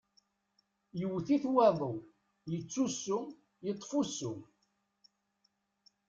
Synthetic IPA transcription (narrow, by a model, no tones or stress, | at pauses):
jəwθiθwæðˤo | jət͡sːusːʊ | jət̪ˤːfusːʊ